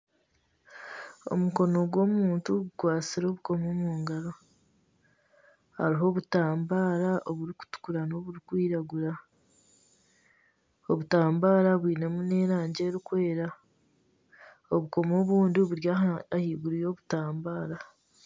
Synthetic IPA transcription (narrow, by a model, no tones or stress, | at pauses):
o̞̰muko̞no̞ɡwo̞ːmuːntuɡukwaːt͡siɾo̞ːβuko̞moːmuːŋɡaɾo̞ | ha̰ɾiɦo̞βutaːmbaːɾaʔoβuɾiku̥tu̥kuɾano̞βuɾikwiːɾaɡuɾa | oβutaːmbaːɾaβwiːne̞mune̞ːɾaːɲɟe̞ːɾikwe̞ːɾa | oβuko̞mo̞ːβuːndioβuɾjaːhiːɡuɾijo̞ːβutaːmbaːɾa